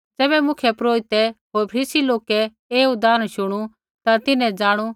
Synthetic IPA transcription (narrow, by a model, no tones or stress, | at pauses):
d͡zɛːbɛmʊkʰjəpɾoːɾɪt̪ɛɦoːɾpʰɐɾiːsiloːkɛ | eːʊd̪aːnʃʊɽ̃u | t̪at̪ɪnɛ̃d͡zaːɽ̃u